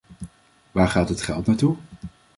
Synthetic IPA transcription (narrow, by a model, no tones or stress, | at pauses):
ʋaːɹχaːtɦətχɛlˠtnaːɹtu